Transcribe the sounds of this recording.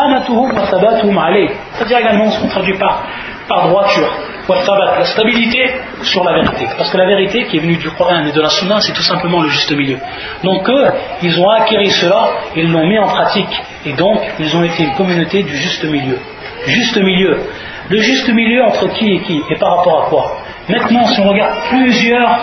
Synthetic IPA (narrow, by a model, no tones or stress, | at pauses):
amat̪ʊhʊmwat̪abaːt̪ʊhʊmʕalɛj | t̪ad̪iʁeɡalmɑ̃isəɔ̃t̪χad̪ɥipaʁ | paʁd̪ʁwat̪yːʁ | wat̪abaːt̪last̪abilit̪e | syʁlaveʁit̪epaʁsəkəlaveʁit̪ekʲiɛvənyd̪yqɔʁʔaːned̪əlasunːasɛt̪usɛ̃pləmɑ̃ləʒyst̪əmiljø | d̪ɔ̃køilzɔ̃akʲeʁisəlaelːɔ̃miɑ̃pχat̪ik | ed̪ɔ̃kilzɔ̃et̪eynkɔmynot̪ed̪yʒyst̪əmiljø̥ | yʒyst̪əmiljø | ləʒyst̪əmiljøɑ̃t̪χəkʲiekʲiepaʁːapɔʁakwa | mɛ̃t̪nɑ̃siɔ̃ʁəɡaʁd̪̚plyzjœːʁ